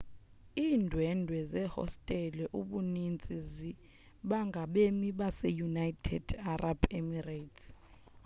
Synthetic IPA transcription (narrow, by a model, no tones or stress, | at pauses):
iːndʱwɛndʱwɛzɛhɔ̰stʼɛlɛʔuɓunint͡sʼizi | ɓaŋɡʱaɓemiɓasɛjunajtʰɛ̰d̥arab̥emirajtʰ